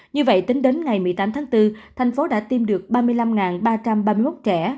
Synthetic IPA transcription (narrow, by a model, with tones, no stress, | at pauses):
ɲɨ˧və̰˧˨jt̪ï˨˦ŋ̟ɗe˨˦nŋa˨˩jmɨ˨˩əjt̪aː˨˦mt̪ʰaː˨˦ŋt̪ɨ˧t̪ʰɛ˨˩jŋ̟fo˨˦ɗa̰ː˧˥t̪i˧mɗɨ˨˩ək̚ɓaː˧mɨ˧əjla˧mŋaː˨˩nɓaː˧t͡ɕa˧mɓaː˧mɨ˧əjmo˦˥t̚t͡ɕɛ̰˧˩˥